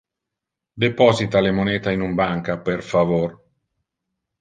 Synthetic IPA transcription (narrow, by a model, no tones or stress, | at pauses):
d̪epɔzit̪alemoneːt̪ainumbaŋkapeɾfavoɾ